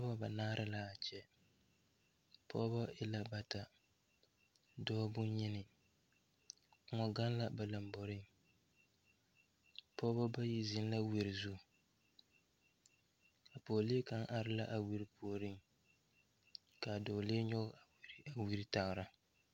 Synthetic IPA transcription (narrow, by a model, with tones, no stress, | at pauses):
pːba˦ba˨naː˦ɾʔɪ˦la˦a˨t͡ʃɛ˦ | pʰɔː˦ba˦ɪ˦la˦ba˦ta˨ | dɔː˦bʊ˦ɲi˦nɪ˨˦ | ŋɔ˨ɡa˦n˦la˦ba˨la˨mbɔ˨ɾɪ˦ŋ | pɔ˦bɔ˦ba˦ji˦zɪ˨˦n˦la˦wi˨ɾɪ˨zu˦˨ | a˨poː˨leː˦ka˦ŋʔa˨ɾɪ˦la˦ʔa˨wi˦ɾi˦pʰoː˨ɾɨ˦ŋ | ka˨doː˨le˦ɲɔ˦ɣa˨wi˦ɾi˦ta˨ɣɾa˦